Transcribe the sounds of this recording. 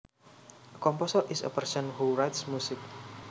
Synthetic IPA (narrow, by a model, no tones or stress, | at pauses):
əkɔmpɔsərʔɪsə̰pərsɔnhuɹajtsmusɪk̚